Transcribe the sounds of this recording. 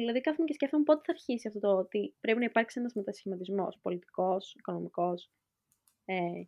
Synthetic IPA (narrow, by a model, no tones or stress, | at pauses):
ilɐðikɐfθumece̞sceft̪umepo̞t̪eθɐɾçisiɐft̪o̞t̪oot̪ipɾe̞pinɐipɐɾksienɐzmet̪ɐsi̥çimɐt̪izmo̞̰spo̞lit̪i̥ko̞siko̞no̞miko̞s | e